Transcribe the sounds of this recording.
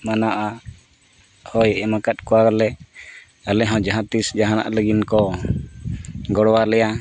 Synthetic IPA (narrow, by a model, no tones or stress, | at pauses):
manaʔa | hɔjɛmakat̪̚ˀkɔwaɡɔlɛ | alɛɦɔ̃d͡ʒaɦãt̪isd͡ʒaɦana̰ʔləɡinkɔ | ɡɔɽwalɛja